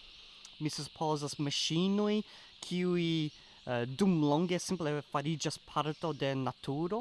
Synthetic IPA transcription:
misupʰo̞zasmaʃinoj | kʰiuji | dumloŋɡe̞simple̞faɾid͡ʒaspʰaɾto̞de̞natʰuɾo̞

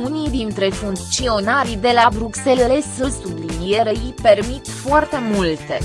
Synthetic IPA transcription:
unijd̪int̪ɾe̞funt̪t͡ʃio̞naɾid̪e̞labɾukse̞lele̞sɨlsublinijeɾeipe̞rmit̪foart̪e̞mult̪ḛ

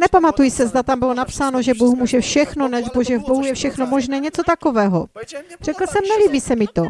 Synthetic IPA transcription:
nɛpamat̪ujsɛzd̪at̪ambɪlo̞napsaːno̞ʒɛboxmuːʒɛfʃɛxno̞nɛʒboʒɛvbo̞ɦujɛfʃɛxno̞mo̞ʒnɛːɲɛt͡so̞t̪ako̞vɛːɦo̞r̥ɛkl̩sɛmnɛliːbiːsɛmɪt̪o̞

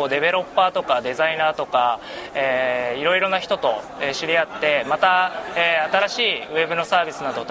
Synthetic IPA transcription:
oːd̪e̞βe̞ɾo̞pːaːt̪o̞kad̪e̞zainaːt̪o̞ka | eːiɾo̞iɾo̞naçi̥t̪o̞t̪o̞ | eɕiɾʲiat̪ːe̞mat̪aeːat̪aɾaɕiːɯ̟e̞bɯ̟no̞saːbʲisɨnad̪o̞t̪

